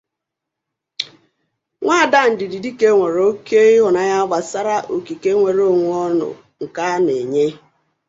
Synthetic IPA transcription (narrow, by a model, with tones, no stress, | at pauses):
ŋʷa˦˨da˦˨n̩˨dɪ˨di˨di˦ke˦ŋʷe˨ɾo˦ke˦i˦ɦʊ˨na˨ja˦ɡ͡ba˨sa˦ɾa˦ʔo˨ki˨ke˦ŋʷe˨ɾo˦˨ŋʷ˦ɔ˦nʊ̰˨ | ŋ̩˨ka˦ne˨ɲe˦